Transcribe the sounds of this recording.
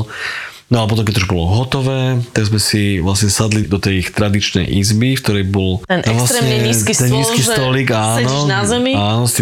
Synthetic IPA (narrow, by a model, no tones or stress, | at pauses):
nɔalɛpɔt̪ɔ̃mkɛcuʒbɔlɔɦɔt̪ɔʋɛːt̪aɡzmɛsiʋlasɲɛsad̪lid̪ɔt̪ɛjxt̪ɾad̪it͡ʃnɛ̰jʔizbik̚t̪ɔɾɛjbɔlɛnaʋlasɲɛɲiːskist̪ɛnɲiːkiːst̪ɔliːɡaːnɔzɛmiaːnɔst̪i